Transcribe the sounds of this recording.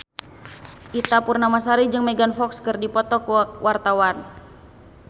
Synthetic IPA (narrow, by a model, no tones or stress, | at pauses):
ʔit̪apurnamas̬aɾid͡ʒɨŋmɛɡanfɔkskɨrdipɔt̪ɔkwʔart̪awan